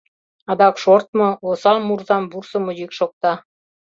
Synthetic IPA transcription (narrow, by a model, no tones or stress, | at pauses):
ɑd̪ɑkʃort̪̚mŏosɑlmurzɑmbursə̆mujikʃok̚t̪ɑ